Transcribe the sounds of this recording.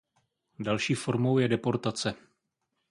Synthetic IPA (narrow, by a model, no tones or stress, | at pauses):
dalʃiːfo̞ɾmo̞wjɛdɛpo̞ɾt̪at͡sɛ